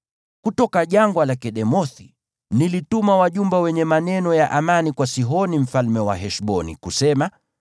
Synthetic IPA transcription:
kutɔkaʄaŋɡwalakɛɗɛmɔθi | nilitumawaʄumbɛwɛɲɛmanɛnɔjaʔamanikwasiɦɔnim̩falmɛwa̰ɦɛʃɓɔnḭkusɛma

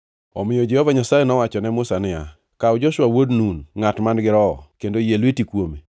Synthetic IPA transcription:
ɔmɪjɔd͡ʒɛhɔvaɲasajenɔwat͡ʃɔnɛmʊsanɪa̰ | kaɔd͡ʒɔʃwawodnunŋatmanɡɪɾɔ̰ːkendojelwetikwome

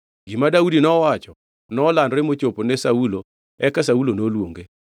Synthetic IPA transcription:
ɡimadaudinɔwat͡ʃɔ | nɔːlanɾemot͡ʃoponesaulo | ɛkasaulonolwoŋɡe

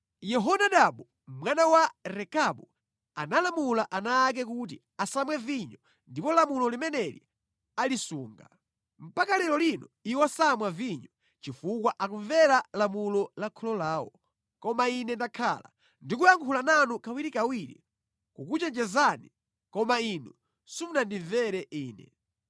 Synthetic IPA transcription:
jɛɦɔnaɗaɓu | mwanawaɾɛkaɓu | analamulaʔanaːk̬ɛk̬ut̬i | asamwɛviɲɔ | ndipɔlamulɔlimɛnɛlḭ | alisuːŋɡa̰ | m̩pakalɛlɔlinɔiwasamwaviɲɔ | t͡ʃifuk̬waʔakuɱvɛɾalamulɔlakʰɔlɔlaːwɔ̰ | kɔmainɛndakʰa̰la̰ | ndikujaŋkʰulananukawiɾikawiɾḭ | kukut͡ʃɛnd͡ʒɛzani | kɔmainu | sunandiɱvɛɾɛiːnɛ̰

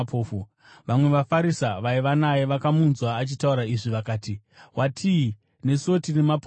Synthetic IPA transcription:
pʰoːfu | ʋamwe̞ʋafaɾisaʋaiʋanajeʋakamunzwaːt͡ʃitauɾaiʐiʋakaːti | wʔatʰi | ne̞so̞tinemap

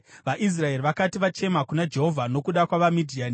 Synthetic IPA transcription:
ʋaʔis̬rae̞riʋakatiʋat͡ʃe̞makunad͡ʒe̞ɦo̞vʱano̞kuɗakwaʋamidʱiaːni

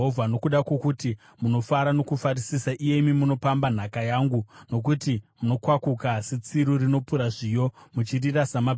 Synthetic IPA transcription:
ɦovʱano̞kuɗakwo̞kuti | muno̞faɾano̞kufarisisaʔije̞imimuno̞pamban̤akajaːŋɡuno̞k̬utimuno̞kwakukaset͡siɾurino̞puɾaʐijo̞mut͡ʃirirasama

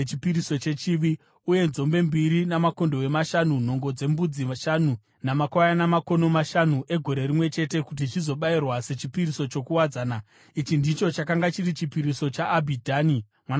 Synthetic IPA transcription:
t͡ʃipiɾiso̞t͡ʃe̞t͡ʃiʋi | uje̞nzo̞mbe̞mbiɾinamako̞ndo̞we̞maʃanun̤o̞ŋɡo̞d͡ze̞mbud͡zimaʃanu | namakwajanamako̞no̞maʃanuʔe̞ɡʱo̞ɾe̞rimwe̞t͡ʃe̞te̞kut̬it͡ʃizo̞ɓairwase̞t͡ʃipiriso̞t͡ʃo̞kuwad͡zaːna | it͡ʃindit͡ʃo̞t͡ʃakaŋɡat͡ʃirit͡ʃipiɾiso̞t͡ʃaʔːbʱidʱaːni | mwan

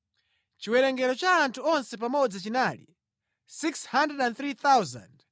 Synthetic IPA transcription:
t͡ʃiwɛɾɛŋɡɛɾɔt͡ʃaːntʰuɔnsɛp̬amɔd͡zat͡ʃinaːlḭ | sikshandɾɛdɛnθɾiθawza̰nd

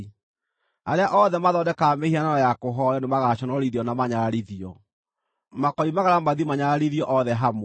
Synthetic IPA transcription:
aɾeaʔɔðɛmaðɔdɛkamehiananɔjakoɦɔɾɔnomaɣaɕɔnɔɾiðiɔnamaɲaɾaɾiðiɔ | makɔimaɣaɾamaðimaɲaɾaɾiðiɔʔɔðɛɦam

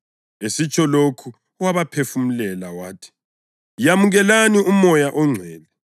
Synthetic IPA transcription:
esit͡ʃʰʼɔlokʰu | waβapʰefum̩lɛlawaːtʰi̥ | jamuɣɛlaniumɔjaʔɔŋ͡ǀʱwɛːlɛ

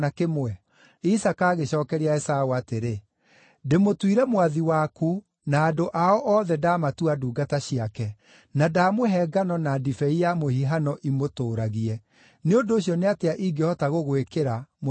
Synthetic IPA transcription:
nakemwɛ | isakaːɣeɕɔːkɛɾiaɛsaoateɾe | demotwiɾɛmwaðiwaku | naːdoʔaɔʔɔːðɛdaːmatuaduːɡataɕiakɛ | nadaːmoɦɛɡanɔnadifɛijamohiɦanɔʔimotoːɾaɣiɛ | neondoːɕiɔneateaʔiɡehɔtaɣoɣwekeɾamo

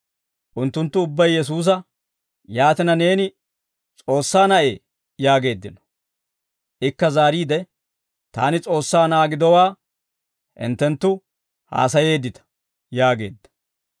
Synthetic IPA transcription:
ʔʊnt̪ːʊnt̪ːʊʊbːɐjːɛs̬uːs̬ɐ | jaːt̪ɪnɐne̞ːnɪ | t͡sʼo̞ːsːaːnɐʔe̞̰ː | jaːɡe̞ːd̪ːɪnɔ̥ | ʔɪkːɐzaːɾiːd̪ɛ | t̪a̰ːnɪt͡sʼo̞ːsːaːnaːɡɪd̪ɔwaː | ʔɪ̰nt̪ːɛnt̪ːʊ | ha̰ːs̬ɐje̞ːd̪ːɪt̪ɐ̥ | jaːɡe̞̰ːd̪ːɐ̥

